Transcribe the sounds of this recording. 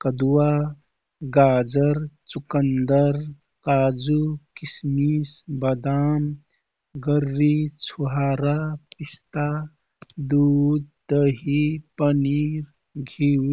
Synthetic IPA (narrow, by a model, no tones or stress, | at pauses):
kəd̪uwa | ɡaːd͡ʒəɾt͡ʃukənd̪əɾ | kaːd͡ʒukismisbəd̪aːm | ɡəɾːit͡ʃʰuɦaːɾapist̪a | d̪ud̪d̪əɦipəniɾ | ɡʱiw